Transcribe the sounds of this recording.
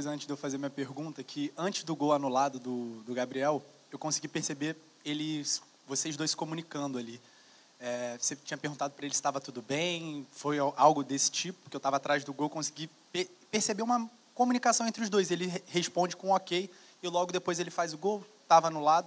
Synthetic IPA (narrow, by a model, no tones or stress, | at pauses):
pojzɐɐ̃tt͡ʃɪʒd̪ewfazeɐmĩɲɐpeɦɡũnt̪ɐkʰɪɐ̃t͡ʃɪzd̪ʊɡowanulad̪ʊd̪ʊd̪ʊɡabɾiɛw | ewkõsiɡipeɾsebe | elɪs | voseʊʒd̪ojsɪ̥komunikɐ̃d̪ʊali | ɛset͡ʃĩɲɐpehɡũt̪ad̪ʊpɾɐelɪsɪ̥t̪avɐt̪ud̪ʊbẽj̃fojʔawɡʊd̪esɪ̥t͡ʃipʊpkewt̪avɐat̪ɾajzd̪ʊɡowekõsi̥ɡi | pepeɾsebeũmɐ | kõmunikasɐ̃w̃ẽnt̪ɾɪʊʒd̪ojselɪheʃpõd͡ʒɪkõɔkej | ɪlɔɡʊd̪epojzelɪfajzʊɡow | t̪avɐanulad̪ʊ